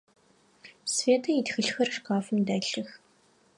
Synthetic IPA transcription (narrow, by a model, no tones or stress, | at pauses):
sveːtʰɐjitxɨɬxɐrʂkaːfɨmdæːɬɨx